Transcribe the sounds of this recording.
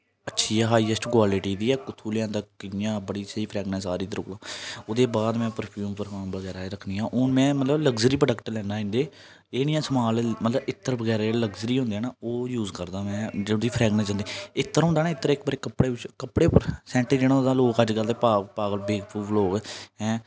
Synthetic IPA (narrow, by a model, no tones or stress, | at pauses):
ətːʃʰiːɛːɦaːiːəsʈkwaːlɪʈiːd̪iːɛːkʊt̪ʰuːlɪjãːt̪aːkɪjãːbəɽiːsəiːpʰɾɛːɡnɛ̃ːsaːɾiːt̪əɾʊk̪aːod̪eːbaːd̪mɛ̃ːpəɾpʰjuːmpəɾkaːmʋəɡɛːɾaːɾəkʰniːãːʔoːnmɛ̃ːmət̪ləbləɡzəɾiːpɖəkʈlɛːnaːɪ̃ːnd̪eː | eːnijãːsəmaːlmət̪ləbɪt̪ːəɾʋəɡɛːɾaləɡzəɾiːɦʊ̃nd̪eɛːnaːoːjuːzkəɾd̪aːmɛ̃ːd͡ʒẽd̪iːpʰɾɛːɡnɛ̃ːd͡ʒãːnd̪eɪt̪ːəɾɦõnd̪aːnãːɪt̪ːəɾɪk̚bəɾekəpɽeːʋɪt͡ʃkəpɽeːpəɾsɛ̃ːɳʈəd͡ʒeːɽ̃ãːd̪aːloːkəd͡ʒɡəlt̪ɛːpaːpaːɡəlbeːɡpuːʋloːkːɛ̃ː